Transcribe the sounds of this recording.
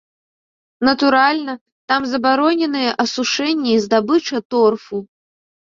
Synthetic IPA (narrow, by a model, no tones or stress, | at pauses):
nɐt̪uɾalʲnɐ | t̪amzɐbaɾɔnʲɛnɨjɛʔɐsuʂɛnʲːɛizd̪abɨt͡ʂɐt̪ɔrfu